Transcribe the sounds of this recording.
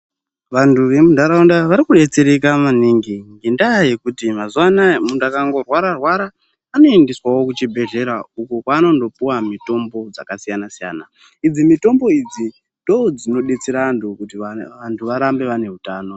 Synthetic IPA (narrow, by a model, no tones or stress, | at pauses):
ʋantʰuʋe̞mudʱaɾaundaʋaɾikuɗe̞t͡seɾekamaniːŋɡiŋɡendaːjekutimazwanamundakaŋɡo̞rwaɾarwaɾaː | no̞indiswawo̞kut͡ʃibʱe̞ɮe̞ɾaukokwaːno̞ndo̞puwamito̞mbo̞d͡za̰kasijanasija̰ːna | id͡zimito̞mbo̞id͡zi | ndo̞d͡zino̞ɗet͡siɾaːntʰukutiʋantʰuʋaɾambe̞ʋane̞ɦutaːno̞